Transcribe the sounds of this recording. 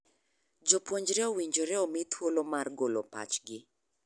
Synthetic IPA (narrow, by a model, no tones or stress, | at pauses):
d͡ʒopwoɲd͡ʒɾɛowiɲd͡ʒoɾɛomit̪ʰwolomarɡolopa̰t͡ʃɡɪ